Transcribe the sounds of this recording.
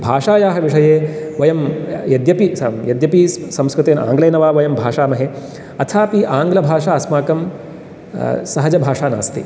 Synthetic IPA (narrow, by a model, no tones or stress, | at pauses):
bʱaːʂaːjaːɦɐʋiʂɐjeːʋɐjɐmjɐd̪jɐpijɐd̪jɐpisɐmskɾut̪eːna̰ːŋɡleːnɐʋaːʋɐjɐmbʱaːʂaːnɐɦe | ɐt̪ʰaːpiʔaːŋɡlɐbʱaːʂaːɐsmaːkɐm | sɐɦɐd͡ʒɐbʱaːʂaːna̰ːst̪ḭ